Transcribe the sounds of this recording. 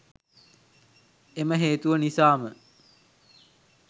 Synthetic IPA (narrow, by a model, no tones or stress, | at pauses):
eməɦeːt̪uʋənisaːmə